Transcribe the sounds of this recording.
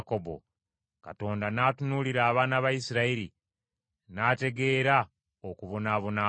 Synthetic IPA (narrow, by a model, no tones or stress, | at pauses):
kobo̞̰ | ka̰to̞ːndanaːtunuːliɾaːβaːnaβajisiɾaiɾi | naːte̞ɡe̞ːɾa | okuβo̞naːβona